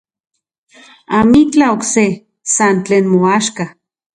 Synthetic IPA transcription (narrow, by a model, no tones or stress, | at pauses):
amit͡ɬaokse | sant͡ɬeːnmoaʃka